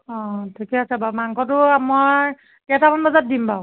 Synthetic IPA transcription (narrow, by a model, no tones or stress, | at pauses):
ɔ̃tʰikɛasabamaŋkʰɔtʊamaɹ | kɛtabʰɔnbazat̚dimba